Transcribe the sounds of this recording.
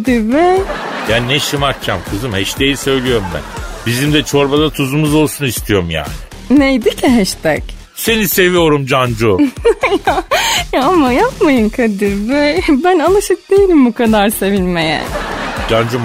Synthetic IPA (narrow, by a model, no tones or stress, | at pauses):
d̪iɾbɛjaːninɛʃɯmak̚cʰamkʰɯzɯmhɛʃt̪ʰejisø̞jlʲijo̞ɾumbæ̰nbizimd̪ɛt͡ʃʰo̞ɾbad̪at̪ʰuzumuzo̞lˠsunist̪ʰijo̞ɾumja̰ːnɪ | nejd̪icʰiɦɛʃt̪ʰɛc | se̞nise̞vijo̞ɾumd͡ʒand͡ʒujajaamajapmajɯnkʰad̪iɾbɛbænalˠaʃɯk̚d̪ejilʲimbukʰad̪aɾse̞vilʲmejæɛ̰d͡ʒand͡ʒum